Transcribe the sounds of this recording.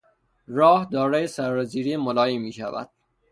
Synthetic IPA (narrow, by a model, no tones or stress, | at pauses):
rɒːhd̪ɒːɾɒːjesæɾːoziːɾiːemolɒːjiːmiːʃæ̰væ̰d̪̥̚